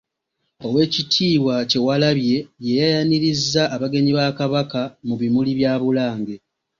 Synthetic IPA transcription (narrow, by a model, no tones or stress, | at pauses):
o̞we̞ːcitʰiːwace̞walaβje̞je̞jajaniɾizːaʔːβaɡe̞ɲiβakaβakamuβimuliβjaːβulaːŋɡe̞